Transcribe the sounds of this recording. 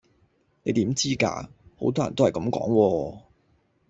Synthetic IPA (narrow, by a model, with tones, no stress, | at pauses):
ne˨˧jt̪iː˨˥mt͡siː˥ka̰ː˧ho˨˧˥wt̪ɔː˥jɐ˨˩n˥hɐ˨˩jkɐ˨˥mkɔ̰ː˨˥ŋwɔː˧